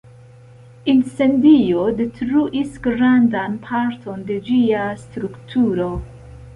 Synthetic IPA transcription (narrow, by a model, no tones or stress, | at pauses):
inse̞ndiodetɾuʔisɡɾandanpʰaɾtʰo̞nde̞d͡ʒiastɾuktʰuɾo̞